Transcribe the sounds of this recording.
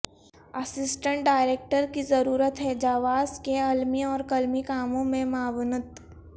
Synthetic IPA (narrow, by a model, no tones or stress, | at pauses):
ɐsɪsʈə̃ɳʈ̚ɖaːɪɾeːk̚ʈəɾkizɐɾuːɾət̪ɦɛd͡ʒaːʋaːzkeɐlmiɔːɾkɐlmikaːmõmẽmaːʋnət̪